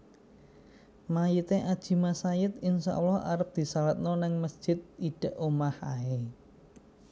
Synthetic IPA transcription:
majit̪eʔad̥ʒ̥i̤masajɪt̪ɪnsa̰ʔulɔha̰ɾəp̚d̪̥i̤salat̪̚nɔnɪŋməsd̥ʒ̥ɪt̪̚iɖ̥ə̤ʔomaha̰e

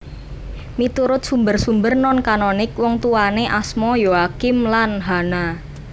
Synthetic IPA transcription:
mit̪uɾʊt̪̚sumbərsumbərnɔnkanɔnɪk̚wɔŋt̪uwaneʔasmɔjoakɪmlanɦana

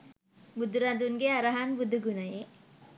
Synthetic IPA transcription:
bud̪ʱuɾand̪unɡeaɾaɦanbud̪ʱːuɡunaje

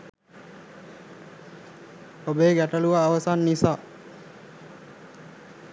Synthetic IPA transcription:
obeːɡæʈəluʋaːʋəsanːisaː

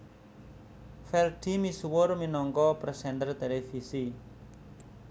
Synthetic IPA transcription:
fɛlɖ̥imisuwʊrminɔŋkɔpɾɛsɛnd̪ərt̪elefisi

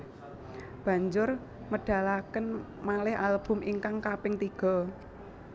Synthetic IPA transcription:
b̥a̤ɲd͡ʒʊr | məɖ̥a̤lakən | malɪhalb̥ʊ̤mʔiŋkaŋkapɪŋt̪iɡ̥ɔ̤

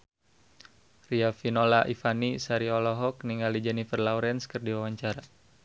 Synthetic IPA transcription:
riafinolaʔifanisaɾiɔlɔɦɔk̚niŋalid͡ʒɛnifərlauɾɛnskərdiwawaɲt͡ʃaɾa

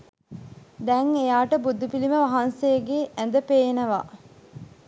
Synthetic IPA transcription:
d̪ɛŋejaːʈəbud̪upiliməʋaɦansejəɡeʔænd̪əpeːnəʋa̰

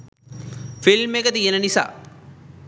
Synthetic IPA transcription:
filmekət̪ijenənisa̰ː

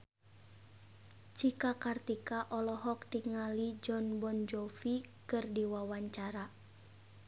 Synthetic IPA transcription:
t͡ʃikakart̪ikaʔɔlɔɦɔk̚diŋalid͡ʒɔnbɔnd͡ʒɔfikɨrdiwawaɲt͡ʃaɾa

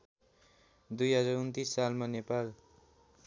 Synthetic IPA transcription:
d̪ujɦʌd͡zʌunt̪isːalmanepal

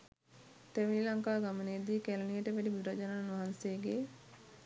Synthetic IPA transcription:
t̪eʋililaŋkaːɡaməned̪iːkælɐnijəʈəʋæɖibuɾad͡ʒanaːnʋaɦanseːɡe

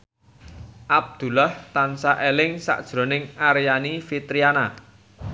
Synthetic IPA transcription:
ʔab̚d̪̥ṳlaht̪ansaʔelɪŋsa̰ʔd̥ʒ̥ɾo̤nɪŋaɾjanifit̪ɾiana

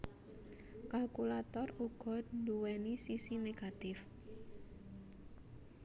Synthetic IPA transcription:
kalkulat̪ɔruɡ̥ɔ̤nd̪uwɛnisisineɡ̥at̪ɪf

